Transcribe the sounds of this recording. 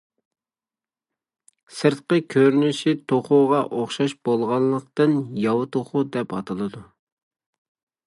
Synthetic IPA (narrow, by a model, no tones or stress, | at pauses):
sɨɾt̪̚qəkʲʰøɾnyʃit̪ʰoχʊʁɑʔoχʃɑʃb̥olˠʁɑnlˠəq̚t̪ɨnjɑwɨt̪ʰoχʊd̪ɛpɑ̰t̪ʰɨlˠɨd̪u